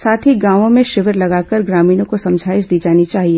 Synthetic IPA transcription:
saːt̪ʰiɡãːʋõmẽʃɪʋəɾlɐɡaːkəɾɡɾaːmiːnõkosɐ̃md͡ʒʱaːɪʃd̪iːd͡ʒaːnit͡ʃaːɦieː

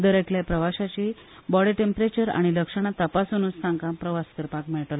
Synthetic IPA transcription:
d̪əɾekljapɾəʋaɕat͡ɕi | bɔɽiʈempɾet͡ɕəɾa̰ɽ̃iləkʂəɽ̃at̪əpasunuːssãŋkãpɾəʋaskəɾpakmeɭʈəl

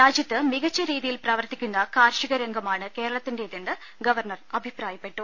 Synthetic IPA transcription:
ɾaːd͡ʑjɐt̪ːɨmiɣɐt͡ɕːɐɾiːðijilpraːʋɐrt̪ikʲːunːɐkaːɾʂiɣɐɾɐŋɡɐmaːɳɨke̞ːɾɐɭɐt̪ːindeiðenːɨ | ɡɐʋɐrɳɐrɐbʱipraːjɐpːe̞ʈːu

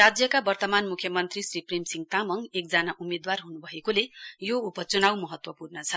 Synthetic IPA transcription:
rad͡zjʌkabʌrt̪ʌmanmukʰjʌmʌnt̪risriprimsiŋt̪amʌŋek̚d͡zanaʔumed̪warɦunubʱʌekolejoupʌt͡sunawmʌɦʌt̪wʌpurnʌt͡sʰʌ

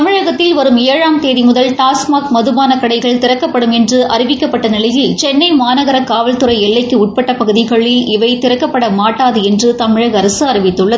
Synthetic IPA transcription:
tɐmɪɻɐɣɐt̪ːɪlʋɐɾɯmeːɻaːmt̪eːðimʊðɐlʈaːsmaːkmɐðɯmaːnɐkɐɽɐɪɣɐɭt̪ɪɾɐkːɐpːɐɽɯmɛndrɯʔɐrɪʋɪkːɐpːɐʈːɐnɪlɐjɪlt͡ʃɛnːɐɪmaːnɐɣɐɾɐkaːʋɐlt̪ɯɾɐɪɛɭːɐɪkːɯʊʈ̚pɐʈːɐpɐɣɯðɪɣɐɭːɪlɪʋɐɪt̪ɪɾɐkːɐpːɐɽɐmaːʈːaːðɯɛndrɯt̪ɐmɪɻɐɣɐɐɾɐsɯɐɾɪʋɪt̪ːɯɭːɐð

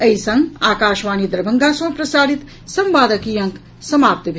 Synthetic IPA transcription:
ɐisɐŋɡaːkaːʃʋaːnid̪ɐɾbʱɐŋɡãsɐ̃pɾɐsaːɽit̪ | sɐ̃mʋaːd̪əkijɐ̃ŋk | sɐmaːp̚t̪bʱ

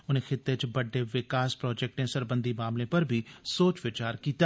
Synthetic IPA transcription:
ʊnẽxɪt̪ːet͡ʃbɐɖʱeʋɪkaːspɾɔːd͡ʒeːk̚ʈẽsɐɾbə̃nd̪ʱimaːmlẽpɐɾbʱɪsoːt͡ʃʋɪt͡ʃaːɾkiːt̪a

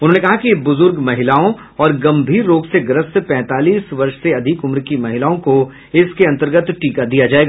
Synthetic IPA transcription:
ʊnɦõnekɐɦakibʊzʊɾɡmɐɦɪlaːõ | ɔːɾɡɐ̃mbʱiːɾːoːɡseɡɾəspɛ̃ːt̪aːliːsʋɐɾʃseɐd̪ʱɪkʊmɾkimɐɦɪlaːõko | ɪskeɐ̃nt̪əɾɡət̪ʈiːkad̪ijad͡ʒaːeːɡaː

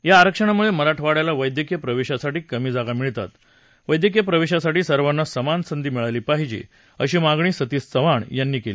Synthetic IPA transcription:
jaːɾəkʂəɳ̃amueməɾaʈʰʋaɽjalaʋəjd̪jəkijəpɾəʋeɕasaʈiːkəmiːd͡zaɡamiɭt̪a̰t̪ | ʋəjd̪jək̬jəpɾəʋeɕasaʈiːsəɾʋanːasəmansənd̪iːmiɭaliːpaɦid͡ʑḭː | əɕiːmaɡɳ̃iːsət̪iːst͡səʋaɳjanːiːkelḭː

